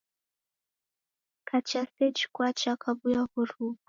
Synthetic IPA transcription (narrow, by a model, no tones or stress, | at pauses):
kat͡ʃasɛt͡ʃkwat͡ʃakabujahuɾu